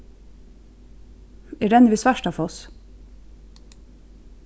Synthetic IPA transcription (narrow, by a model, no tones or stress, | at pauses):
eːɖɛnʋiːsʋæʃʈɑfɔs